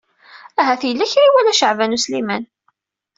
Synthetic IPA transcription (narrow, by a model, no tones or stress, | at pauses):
æɦæθjəlːæçɾiwælæʃəʕvænuslimæn